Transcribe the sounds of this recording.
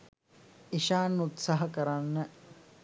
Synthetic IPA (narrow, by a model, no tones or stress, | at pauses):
iʃaːnːut̪sɐɦɐkɐɾɐnːɐ